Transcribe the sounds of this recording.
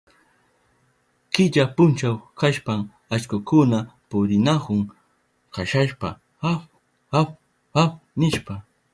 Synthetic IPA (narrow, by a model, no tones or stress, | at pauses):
kɪʎapʊnt͡ʃawkaʃpam | at͡ʃkʊkʊnapʊɾɪnakʊŋ | kʰaʃaʃpa̰ | ap | ap | apnɪʃpa